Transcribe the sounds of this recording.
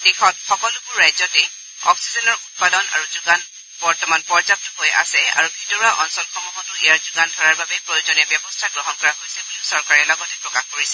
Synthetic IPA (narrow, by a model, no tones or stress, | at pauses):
dixɔt̚xɔkɔlʊbʊɹːajzɔtɛ | ɔ̰ksizɔnɔɹut̚padɔna̰ɹuzuɡan | bɔɹtɔmanpɔɹzap̚tʊɦoja̰sɛa̰ɹubʱitɔɹaʔɔnsɔlxʰɔmɔɦɔtʊejaɹzuɡandʱɔɹaɹbabɛpɹojozɔnijabjɛbɔstʰaɡɹɔɦɔnkɔɹakojsɛbuliʊsɔɹkaɹɛlɔɡɔtɛpɹɔkaxkoɹisɛ